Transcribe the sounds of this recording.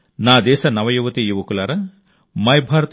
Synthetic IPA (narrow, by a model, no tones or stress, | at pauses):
naːd̪ɛːʃɐnɐʋɐjuʋɐt̪ijiʋɐkulaːɾɐ | mɐjbʱaːɾɐt̪